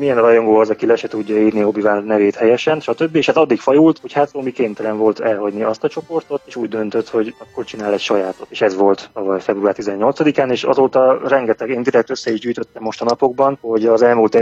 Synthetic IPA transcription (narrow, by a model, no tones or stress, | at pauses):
mijɛnrɒjo̞ŋɡoːɒzɒkilɛʃɛt̪uɟːɒiːrniobivaːnnɛveːt̪hɛjɛʃɛnʃɒt̪øbːieːʃɛzɒd̪ːikfɒjult̪ho̞chat̪omikeːnt̪ɛlɛɱvo̞lt̪ɛlɦɒɟniɒst̪ɒt͡ʃo̞po̞rt̪o̞t̪eːʃuːɟd̪ø̞nt̪øt̪ho̞ɟɒkːort͡ʃinaːlɛcʃɒjaːt̪ot̪eːʃɛzʋo̞lt̪t̪ɒvɒjfɛbruaːrt̪izɛɲːo̞lt̪sɒd̪ikaːneːʃɒ̰zoːt̪ɒrɛŋɡɛt̪ɛɡeːnd̪iɾɛk̚t̪øsːɛiʒɟyːjt̪ø̞t̪ːɛmːo̞ʃt̪ɒnɒpo̞ɡ̚bɒnho̞ɟɒzɛlmult̪